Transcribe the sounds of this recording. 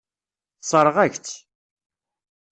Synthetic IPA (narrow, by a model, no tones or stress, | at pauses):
θsˤəɾˤʁæçt͡s